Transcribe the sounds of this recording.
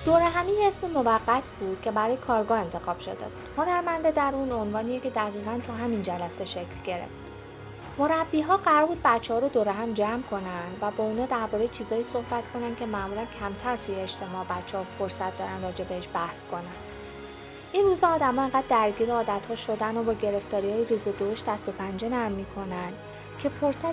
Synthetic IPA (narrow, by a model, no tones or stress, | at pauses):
d̪̥oɾæɦæmijeesmemo̞væɢːæt̪ʰbuːd̪̥̚cʰʲe̞bæɾɒːjekʰɒːɾɡɒːhe̞nt̪ʰe̞xɒːb̥ʃo̞̰d̪ḛbuːd̪̥ho̞næɾmænd̪ed̪æɾuːno̞nvɒːnijecʰe̞d̪æɣiːɣænt̪ʰuɦæmind͡ʒælæse̞ʃecʰlɟe̞ɾḛft̪ | mo̞ɾæbːiːɦɒːɢæɾɒːɾbuːd̪̚bæt̪t͡ʃʰːehɒːɾod̪oɾæɦæmd͡ʒæmkʰo̞nænd̪væbɒːunɒːd̪æɾbɒːɾejet͡ʃʰiːzɒːjiːso̞hbæt̪kʰo̞nænd̪̚cʰe̞mæʔmuːlæncʰæmt̪ʰæɾt̪ʰujeːʃt̪ʰe̞mɒʔbætt͡ʃʰːeːfoɾsæt̪̚ʰd̪ɒːɾænrɒːd͡ʒe̞beheʃbæhskʰo̞nænd̪ | ʔinruzɒːd̪æmɒːe̞ŋɢæd̪ːæɾɟiːɾeɒːd̪æt̪hɒːʃo̞d̪ænobɒːɟe̞ɾe̞ft̪ɒːɾihɒːjeɾiːzod̪oʃd̪æst̪o̞pʰænd͡ʒenæɾmmːiːkʰo̞nænd̪̥ | cʰe̞fo̞ɾsæ